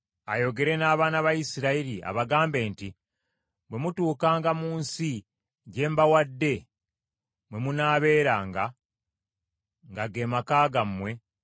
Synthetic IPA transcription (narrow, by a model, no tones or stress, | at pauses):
ajo̞ɡe̞ɾe̞naːβaːnaβajisiɾaiɾia̰βaɡaːmbe̞ːnti | bwe̞mutuːkaːŋɡamuːnsi | ɟe̞ːmbawadːe̞ | mwe̞munaːβe̞ːɾaːŋɡa | ŋɡaɡe̞ːmakaːɡamːwe̞